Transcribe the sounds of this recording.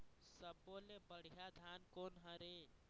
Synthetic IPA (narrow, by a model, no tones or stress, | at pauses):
səbːolebəɽ̤ijad̪ʱankoːnɦəɾe